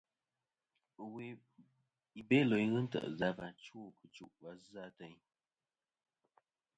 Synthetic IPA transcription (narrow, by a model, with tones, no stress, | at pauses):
wi˨ | i˨be˦lo˨jɣɨ˦n̩˦tə̰˨ʔza˦ba˨nt͡ʃuː˦˨kɨ˨t͡ʃu˦˨ʔwa˦za˦tə˨˦ɲ